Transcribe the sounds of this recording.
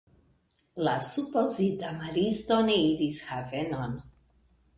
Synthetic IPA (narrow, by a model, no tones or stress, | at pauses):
lasupo̞zitamaɾistoneidishave̞no̞n